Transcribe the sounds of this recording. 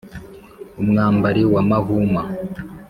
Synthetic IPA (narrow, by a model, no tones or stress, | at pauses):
umŋaːmbaɾiwamaɦuːma